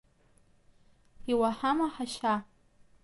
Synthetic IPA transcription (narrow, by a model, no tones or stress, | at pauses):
iwaħamaħaʃa